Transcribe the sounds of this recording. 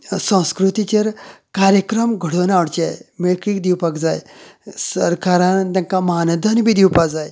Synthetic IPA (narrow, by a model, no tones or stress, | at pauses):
sə̃w̃skɾut̪it͡ɕeɾkaɾjəkɾəmɡʱəɽonaʋəɽt͡ɕa̰jmeɭkikd̪iwpakd͡zajsəɾkaɾãnt̪ʲãŋkaməɦanəd̪ʱanbʱid̪iwpad͡zaj